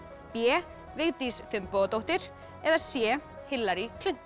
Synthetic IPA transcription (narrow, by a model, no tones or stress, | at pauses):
pjɛː | vɪɣt̪isfʏmpoːɣt̪owht̪ɪɾ̥ | ɛðasjɛː | hɪlːaɾikʰlʏn̥t̪